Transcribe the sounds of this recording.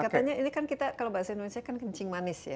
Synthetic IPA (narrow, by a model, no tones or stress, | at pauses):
kat̪aɲainikankit̪akalawbaɦasaindonesiakankəɲt͡ʃɪŋmanɪsja̰